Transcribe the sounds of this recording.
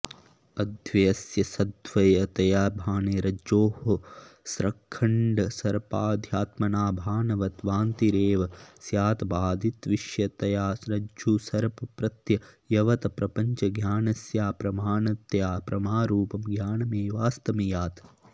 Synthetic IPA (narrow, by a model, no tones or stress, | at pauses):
ɐd̪ʱʋɐɐsjɐsɐd̪ʋɐjɐt̪ɐjaːbʱaːneːɾɐd͡ʒoːhɐsɾɐkʰːɐɳɖɐsɐɾpaːd̪ʱjaːt̪mɐnaːbʱaːnɐʋɐt̪ʋaːnt̪iɾeːʋɐsjaːt̪ɐbaːd̪ʱit̪ʋiʃjɐt̪ɐjaːsɾɐd͡ʒuːsɐɾpɐpɾɐt̪jɐjɐʋɐt̪ɐpɾɐpɐɲt͡ʃɐɡjaːnɐsjaːpɾɐmaːnɐt̪jaːpɾɐmaːɾuːpɐmɡjaːnɐmeːʋaːst̪ɐmijaːt̪